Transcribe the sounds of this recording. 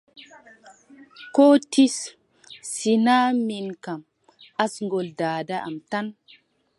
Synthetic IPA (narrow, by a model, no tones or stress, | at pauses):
kotisː | inaminkam | asŋɡoldaːdaʔa̰mtan